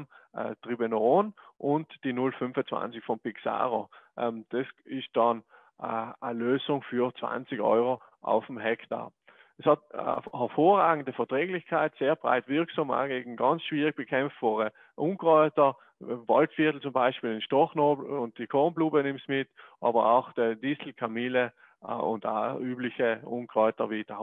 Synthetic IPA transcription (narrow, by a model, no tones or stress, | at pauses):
ʔtʁibenoʁoːnʔʊntd̥inʊlfʏmfət͡sv̥ã̰nt͡sɪçfɔnpɪksa̰ːʁoʔɛmd̥ɛsɪst̚d̥ɑn | əløːzʊŋfyːɐt͡sv̥a̰nt͡sɪçʔɔ̰ʏʁo | ʔa̰ʊfm̩ɦɛkta̰ː | ɛshɑtahɛɐfoːʁaːɡŋ̩dəfɛɐtʁɛːɡlɪçkʰaɪtseːɐb̥ʁa̰ɪtv̥ɪɐksama̰ɡeːɡŋ̩ɡɑnt͡sʃv̥iːʁɪɡ̚b̥əkʰɛmfb̥ɔːʁə | ʔunkʁɔʏtə | vɑ̰ltfɪɐtl̩t͡sʊmbaɪʃpiːlɪnʃtɔχnoːbl̩ʊnt̚d̥ikʰɔʁnpluːbənɪmtsmɪtʔɑːbɐʁa̰ʊxd̥ədisl̩kʰamiːlə | ʊ̰nta̰yːblɪçəʊnkʁɔʏtɐviːd̥ɐ